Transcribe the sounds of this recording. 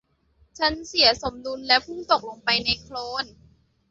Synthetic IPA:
t͡ɕʰa˦˥nsi˩˦ɐso˩˦mdu˧nlɛ˦˥pʰuː˥˩t̪o˨˩k̚lo˧ŋpa˧jna˧jkʰloː˧˥n

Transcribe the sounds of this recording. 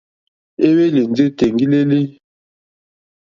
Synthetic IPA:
e˦we˦li˨n˨d͡zi˦te˨ŋ˨ɡi˦le˦li˦

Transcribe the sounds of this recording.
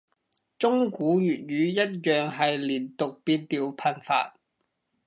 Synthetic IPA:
t͡sʊ˥ŋkuː˨˥jyː˨˩t̚jyː˨˧jɐ˥t̚jœː˨ŋɦɐ˨jliː˨˩nt̪ʊ˨k̚piː˧nt̪iː˨wpʰɐ˧nfa̰ː˧t̚

